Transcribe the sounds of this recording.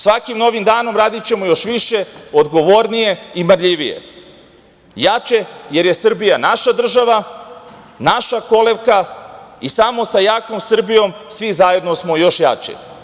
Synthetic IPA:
sʋakimno̞ʋimd̪aːno̞mɾaːd̪it͡ɕe̞mojo̞ʃʋiʃe̞od̪ɡo̞ʋoɾnije̞imɾʎiʋijḛ | jat͡ʃeje̞ɾje̞sr̩bijanaʃad̪r̩ʒaʋa | naʃako̞leʋkaisamo̞sajaːko̞msr̩bijo̞msʋizaje̞d̪nosmo̞jo̞ʃja̰t͡ʃḛ

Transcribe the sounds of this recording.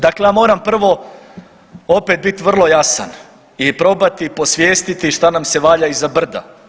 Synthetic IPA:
d̪aklejaːmo̞ːɾampr̩ʋo̞ | o̞pet̪̚bit̪iʋr̩lˠo̞jasa̰n | ipɾo̞bat̪ipo̞sʋjeːst̪it̪iʃt̪anamse̞ʋaːʎaizabr̩d̪a̰

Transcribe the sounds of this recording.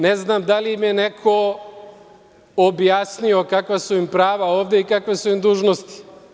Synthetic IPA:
neznamd̪aliimjenekʰo | objasnio̞kakʋasuimpɾaːʋaoːʋd̪e̞ikakʋesuimd̪uːʒnost̪i̥

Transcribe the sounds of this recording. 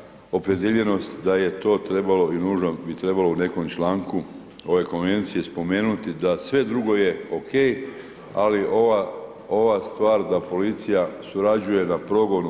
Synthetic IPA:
o̞pɾed̪jeʎe̞no̞st̪d̪aje̞t̪o̞ːt̪ɾe̞balo̞inuːʒnobit̪ɾe̞baloune̞ko̞mt͡ʃlaːŋku | o̞ʋe̞ko̞nʋe̞nt̪sije̞spo̞me̞ːnut̪id̪asʋe̞d̪ɾuɡo̞je̞o̞kʰe̞ːj | aliʔoʋa | o̞ʋast̪ʋaːɾd̪apo̞lit̪sijasuɾad͡ʑuje̞napɾo̞ɡo̞nu

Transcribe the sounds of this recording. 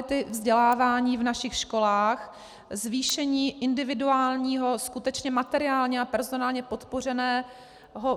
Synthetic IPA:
ɪt̪ɪvzɟɛlaːvaːɲiːvnaʃɪxʃko̞laːx | zviːʃɛɲiːʔɪndɪvɪduaːlɲiːɦo̞skut̪ɛt͡ʃɲɛmat̪ɛɾɪaːlɲɛapɛɾzo̞naːlɲɛpo̞t̪po̞r̝ɛnɛː | ɦo

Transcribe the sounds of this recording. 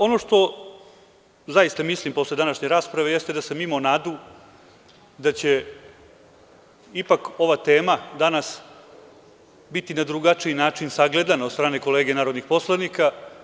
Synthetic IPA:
o̞no̞ʃt̪o̞ | zajist̪amislimpo̞sle̞d̪anaʃɲe̞ɾaːspɾaʋe̞jest̪ed̪asamimonaːd̪u | d̪at͡ɕe̞ | ipako̞ʋat̪e̞ːmad̪anas | bit̪inad̪ɾuɡat͡ʂiinaːt͡ʂinsaɡle̞d̪anaod̪st̪ɾaːne̞ko̞le̞ːɡenaːɾod̪nixpo̞slˠanika

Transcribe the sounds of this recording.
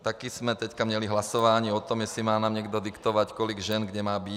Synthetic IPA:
t̪akiz̥mɛt̪ɛckamɲɛliɦlasɔʋaɲiːɔt̪ɔmjɛsimaːnaːmɲɛɡd̪ɔd̪ikt̪ɔʋackɔliɡʒɛnɡɟɛmaːbi

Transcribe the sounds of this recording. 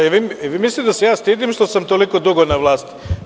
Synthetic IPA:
eʋieʋimislit̪d̪asejaːst̪iːd̪imʃt̪osamt̪oliko̞d̪uɡonaʋlˠaːst̪i̥

